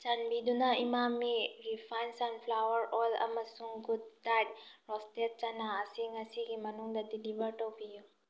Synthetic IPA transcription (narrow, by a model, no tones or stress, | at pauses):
t͡ʃanbid̪unaimamːiɾipʰajnsanpʰlawəɾɔlɐ̰mɐsuŋɡud̪̚ːat̚ɾɔstet̚t͡ʃanaːsiŋɐsiɡimɐnuŋd̪ɐdilibəɾʈəwpʰiju